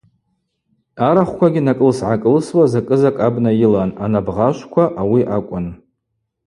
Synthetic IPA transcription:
aɾaχʷkʷʰaɡʲinakʼɨlsʕakʼɨlswazakʼɨzakʼabnajɪlananabʁaʃʷkʷʰaʔawiʔakʷʼʊn

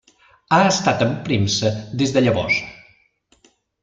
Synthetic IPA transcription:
aəst̪at̪əmpɾimsəd̪ezðəʎəβɔ̰s

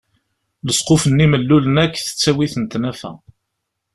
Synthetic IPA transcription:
ləsˤqofənːiməlːulənækːθə̥t͡sːæwiθənt̪næfæ̰

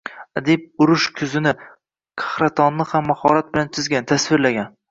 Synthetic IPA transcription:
ad̪ep̚ʊɾʊʃkʲʰʊzɪnɪ | qʰɑ̥hɾat̪ʰɒnːɪhamːahɒɾat̪̚bɪlant͡ʃʰɪzɡʲanɪt̪ʰasvɪɾlaɡʲan

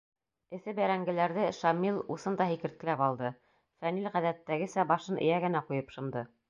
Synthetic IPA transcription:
ɘ̆θɘbæɾæŋɡɘ̆læɾðɘʃɑmilˠusɤnd̪ɑhikɘ̆ɾt̪kɘ̆læpɑlˠd̪ɤ | fæmilʁæðæt̪ːæɡɘ̆sæbɑʃɤnʔɘ̰̆jæɡɘ̆næqujɤpʃɤ̆nd̪ɤ

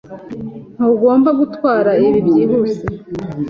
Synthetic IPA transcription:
n̥huɡo̞ːmbaɡutwaːɾaiβibjiːɦuse

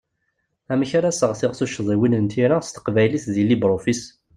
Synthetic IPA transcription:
æməçaɾasəʁθɪʁθuʃðˤiwinənt̪iɾast̪ə̥qvæjliθðilibɾˤofis

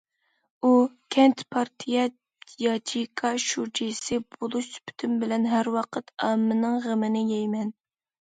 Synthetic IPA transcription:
ukʲʰɛnt̪pʰɑɾt̪ʰijɛ | jɑt͡ʃʰikʰɑʃud͡ʒisɪbolˠuʃsy̥pʰy̥t̪ʰymbɪlɛnɦæɾwɑqʰət̪ʰɑmːɨnɨŋʁəmɪnɪjɛjmɛn

